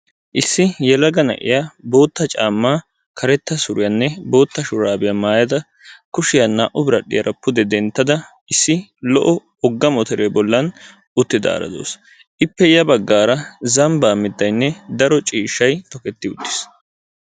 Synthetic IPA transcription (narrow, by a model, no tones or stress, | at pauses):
ʔɪsːɪjɛlɐɡɐnɐ̰ʔɪ̰jabo̞ːt̪ːɐt͡ʃʼaːmːaː | kʰɐɾɛt̪ːɐsʊɾɪjɐnːɛbo̞ːt̪ːɐʃʊɾaːbɪjɐmaːjɐd̪ɐ | kʊʃɪjɐnaːʔʊbɪɾɐɗɪjɐɾʔɐpːʊd̪ɛd̪ɛnt̪ːɐd̪ɐ | ɪsːɪlɔʔɔ | ɔɡːɐmɔt̪ɛɾeːbɔlːɐn | ʔʊt̪ːɪd̪a̰ːɾɐ̰d̪o̰ːs | ʔɪpːɛjɐbɐɡːaːɾɐzɐmbaːmːɪt̪ːɐjnːɛd̪ɐɾɔt͡ʃʼiːʃːɐjt̪ɔkɛt̪ːɪʊt̪ːɪ̥s